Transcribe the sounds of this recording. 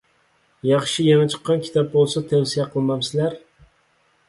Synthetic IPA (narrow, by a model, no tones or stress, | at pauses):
jɑχʃɪjɛnat͡ʃʰɨ̥qːɑnkʲʰi̥t̪ʰɑp̚bolˠsat̪ʰawsijaqʰɨlˠmamsɪlæɾ